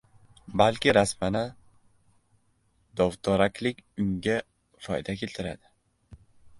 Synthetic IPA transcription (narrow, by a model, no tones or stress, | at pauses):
balkʲɪɾasmanɪ | d̪ɒvt̪ʰɒɾakʲʰlɪkʲʊŋɡʲa | fɒ̰jd̪akʲʰe̞lt̪ʰɪɾa̰d̪ɪ